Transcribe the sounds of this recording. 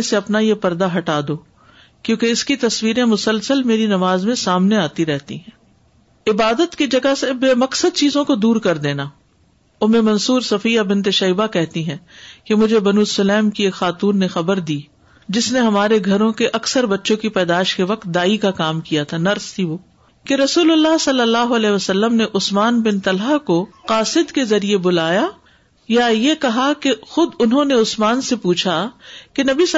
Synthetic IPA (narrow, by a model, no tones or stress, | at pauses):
seɐpnajepɐɾd̪aɦɐʈaːd̪oː | kjõːkeɪskit̪ɐswiːɾẽmʊsəlsəlmeːɾinɐmaːzmẽsaːmneaːt̪iɾɛɦt̪ḭɦɛ̃ː | ɪbaːd̪ət̪kid͡ʒɐɡasebeːmɐksəd̪̚t͡ʃiːzõkod̪uːɾkɐɾd̪eːnaː | omẽmɐ̃nsuːɾsɐfiːjabɪ̃nt̪̬eʃɐiːbakɛɦt̪iɦɛ̃kemʊd͡ʒʱebɐnuːsɐlɛːmkieːkxaːt̪uːnːexɐbəɾd̪iː | d͡ʒɪsneɦɐmaːɾeɡʱɐɾõkeʔɐksəɾbɐtːʃõkipɛːd̪aːɪʃkeʋɐq̚t̪̚d̪aːikakaːmkijat̪ʰanɐɾst̪ʰiʋoː | keɾɐsuːlʊlːaɦsɐlːəlːaːɦoɐlɛːʋɐsɐlːəmneʔʊsmaːnbɪnt̪ɐlɦakoqaːsɪd̪kezɐɾiebʊlaːja | jajekɐɦakexʊd̪ʊnɦõneʊsmaːnsepuːt͡ʃʰakenɐbi